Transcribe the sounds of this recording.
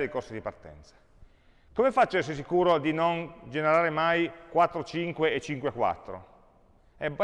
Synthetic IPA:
ejkorsid̪ipart̪ɛ̰nt̪sḁ | komefat͡ʃːɛs̬es̬ikuːɾod̪inond͡ʒeneɾaːɾemajkwat̪ːɾot͡ʃiŋkweːt͡ʃːiŋkwekwa̰t̪ːɾo̰ | ɛb

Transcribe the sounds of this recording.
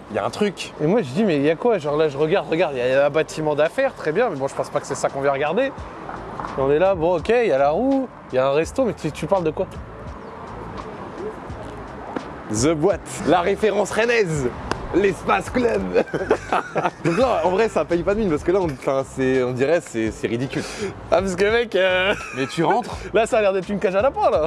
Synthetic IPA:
ja̰ɛ̰̃t̪χykemwaʒid̪imɛjakwaʒɑ̃ʁlaʒəʁəɡaʁd̪ʁəɡaʁd̪jaə̃bat̪ʰimɑ̃d̪afɛʁt̪χɛbjɛ̃mɛbɔ̃ʒə̥pɑ̃spakə̥sɛsakɔ̃vjɛ̃ʁəɡaʁd̪e | eɔ̃nɛlabɔ̃ɔkʲejalaʁu | jaɛ̃ʁɛst̪omɛt̪t̪ypaʁld̪əkwa | zəbwat̪laʁefeʁɑ̃sʁenɛzlɛspasklœb | d̪ɔ̃klaɑ̃vʁɛsaːpajpad̪əminpaʁsə̥kəlaɔ̃fɛ̃sɛɔ̃d̪iʁɛsɛsɛʁid̪ikʲyl | apas̬əkavɛkømɛt̪ʰyʁɑ̃t̪χlasaːlɛʁd̪ɛt̪χynkaʒalapãla

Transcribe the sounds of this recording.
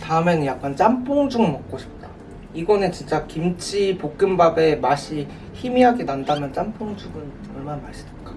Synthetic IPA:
taɯmjʌnnjak̚k͈ant͡ɕ͈amp͈ʰoŋd͡ʑuɡɯnmʌk̚k͈oɕʰi̥p̚t͈ḁ | iɡʌnɯnt͡ɕint͡ɕ͈akimt͡ɕʰipok̚k͈ɯmbabe̞maɕʰi | çimiɦaɡinandamjʌnt͡ɕ͈ampʰoŋd͡ʑuɡɯn | ʌɭmanamaɕʰi̥dek͈ḁ

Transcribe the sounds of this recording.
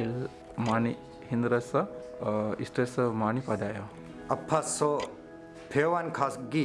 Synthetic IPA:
el | maːni | hind̪ɾɐsɐ | isʈesɐmaːnipad̪ajo | ɐpʰːaso | pʰeʋankʰasɡi

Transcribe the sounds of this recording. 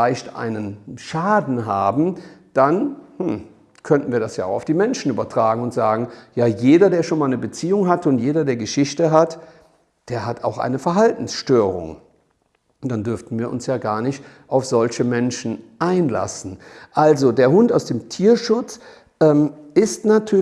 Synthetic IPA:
aɪçtʔa̰ɪnənʃaːdn̩ɦaːbm̩d̥anhm̩ | kʰœntn̩viːɐdasjaːʊxaʊfd̥iːmɛnʃn̩ʔyːbɐtʁ̥aːɡŋ̩ʊntz̥aːɡŋ̩jaːjeːdɐdeːɐʃoːnmaːlnəbət͡siːʊŋɦatʊntjeːdɐdeːɐɡəʃɪçtəɦat | d̥eːɐɦatʰa̰ʊxʔa̰ɪnəfɛɐɦaltn̩sʃtøːʁʊ̰ŋ | d̥andʏɐftn̩viːɐʔʊ̰nsjaːɡaːɐnɪçt | ʔaʊfz̥ɔlçəmɛnʃn̩ʔaɪnla̰sn̩ʔalzodeːɐɦʊntaʊsd̥eːmtʰiːɐʃʊt͡s | ʔɛːmɪstnatʰyːɐ

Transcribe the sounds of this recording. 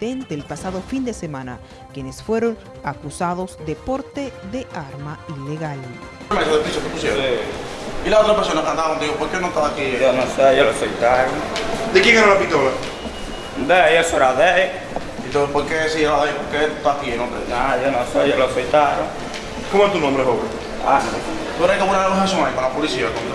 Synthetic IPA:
ent̪eːlpasaðofind̪esemãna̰ | kjenesfweɾon | akusaðozd̪epoɾt̪eðeʔaɾmaileɣal | mẽs̬oðep̪isopekusjesi | ilaot̪ɾapeɾsonakãnd̪aβand̪ihopoɾkenõt̪aβakionõsejolosejt̪aɾoŋd̪ekjẽŋeɾalapit̪ola | d̪eesoeɾaðe | ẽnt̪õspoɾkesiaɾlaðejpoɾket̪ut̪aakinõd̪ḛnajonõseʝaloasfejt̪aɾoŋ | komoet̪unõmbɾeɦoβe | a̰ne | t̪ueɾaekaβuɾaɾaloɦesõŋaikõlapolisiakõnd̪

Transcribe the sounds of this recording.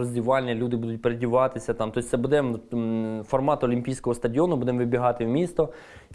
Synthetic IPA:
ɔzʲdʲiʋɑlʲnʲːɐlʲud̪ɪbud̪ʊt̚ʲpeɾedʲiʋɑt̪ɪsʲɐt̪ɑmt̪ɔsʲt̪sɛbud̪ɛ | fɔrmɑt̪ɔlʲimʲpʲijsʲkɔɦɔst̪ɐdʲɪɔnʊbud̪ɛmʋɪbʲiɦɑt̪ɪwmʲist̪ɔ

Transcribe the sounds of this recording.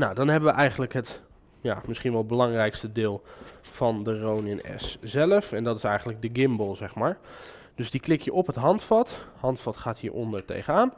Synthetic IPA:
nawdɑnɦɛbəʋəʔɛjχəndələkɦət | ja̰ːmɪsχinʋɛlˠbəlɑŋrɛjkstədɪːlˠv̥ɑndərownənɛ̰szɛləfɛndɑtɪsɛjχənləɡ̚dəɡɪmbəlˠzɛχmaːɹ | d̥ɵsdiklɪkjəʔɔpɦətɦɑntfɑthɑntfɑtχaːtɦiːɹʔɔ̰ndəɹtḛjχəaːn

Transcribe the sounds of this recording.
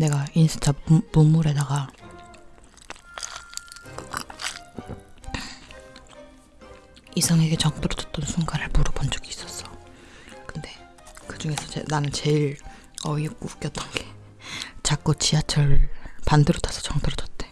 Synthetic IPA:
ne̞ɡainsʰɯt͡ɕ͈ʰamumːuɾe̞daɡa | isʰaŋeɡe̞t͡ɕʌŋpʰʌɾot͡ɕʰʌt̚t͈ʌnsʰuŋɡaɾɯɭpuɾɯbond͡ʑuɡiːs͈ʌs͈ʌ̥ | kɯnde̞ | kɯd͡ʑuŋe̞sʰʌḛnanɯnt͡ɕe̞iɾ | ʌjʌk̚k͈ouk͈jʌt͈ʌnɡe̞̥ | t͡ɕak̚k͈ot͡ɕiat͡ɕʰʌɾpandɯɾotʰḁsʰʌ̥t͡ɕʌŋpʰʌɾot͡ɕʰʌt̚t͈e

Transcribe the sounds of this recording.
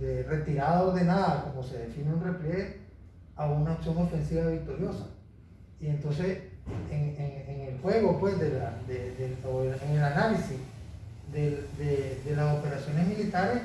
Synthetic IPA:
d̪ere̞t̪iɾaðaozðe̞naðako̞mose̞ðe̞fineunreple | aβunaoksjo̞ŋo̞fe̞nsiβaβik̚t̪o̞ɾjo̞sa | ie̞nt̪o̞nse̞seŋeŋeŋelfwe̞ɣo̞pwe̞zðelaðeðeoeŋelanalisis | d̪eld̪eðelaso̞pe̞ɾasjo̞nezmilit̪aɾe̞s

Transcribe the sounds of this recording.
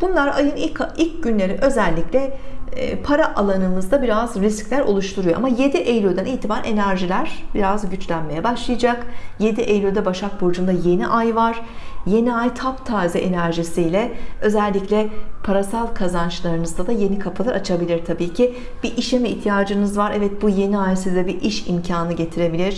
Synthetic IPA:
b̥unlˠaɾajɯnikilʲcɟynlʲe̞ɾiʔø̞zɛlʲːiclʲɛ̰ | pʰaɾaʔalˠanɯnɯzd̪abiɾazɾisclʲæɾo̞̰lˠuʃt̪ʰuɾujo̞ʔamaje̞d̪iʔejlʲød̪æniːt̪ʰibaɾe̞næɾʒilʲæɾ̥biɾazɟyt͡ʃlʲænme̞jɛbaʃlˠɯjad͡ʒakje̞d̪iʔejlʲød̪ɛbaʃak̚bo̞ɾd͡ʒund̪aje̞niʔajvaɾ̥je̞niajt̪ʰapt̪ʰaːzɛʔenæɾʒisijlʲɛø̞zælʲːiclʲɛpʰaɾasalˠkʰazant͡ʃlˠaɾɯnɯzd̪ad̪aje̞nikʰapʰɯlˠaɾat͡ʃʰabilʲiɾ̥t̪ʰabiːcʰi | b̥iʔiʃɛmiiçt̪ʰijaːd͡ʒɯnɯzvaɾɛvɛt̪̚buje̞niajsizd̪ɛbiʔiʃimcʰaːnɯɟe̞t̪ʰiɾe̞bilʲiɾ̥

